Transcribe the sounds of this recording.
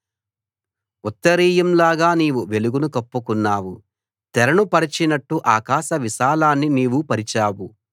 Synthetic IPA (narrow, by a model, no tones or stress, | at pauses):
ut̪ːɐɾiːjɐmlaːɡaːniːʋuʋe̞luɡunukɐpːukunːaːwu | t̪ɛɾɐɳupɐɾit͡ʃinɐʈːuʔaːkaːʃɐʋiʃaːlaːnːiniːʋupɐɾit͡ʃaːwu